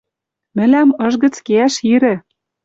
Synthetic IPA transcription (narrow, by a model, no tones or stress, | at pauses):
mɘ̆læmɤ̆ʒɣə̆t͡skeæʃiɾɘ̆